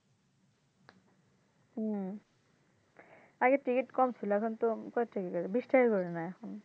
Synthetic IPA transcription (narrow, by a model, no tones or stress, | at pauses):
aɡɛtikitkɔmsʰilakʰɔntʊkɔtʰikɛkɔɛbistaɹikɔɹɛnajakʰɔn